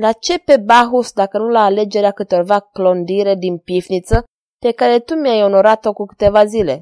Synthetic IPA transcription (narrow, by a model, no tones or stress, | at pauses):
lat͡ʃe̞pe̞baɦusd̪akənulaːle̞d͡ʒe̞ɾeakɨt̪o̞rvaklo̞nd̪iɾe̞d̪inpifnit̪sə | pe̞kaɾe̞t̪umjajo̞no̞ɾat̪o̞kukɨ̥t̪e̞vazile̞